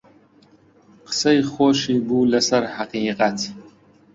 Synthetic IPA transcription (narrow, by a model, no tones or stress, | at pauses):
qʰə̥sɐjχoːʃiːbuːlɐsɐɾħaqiːqat̪ʰ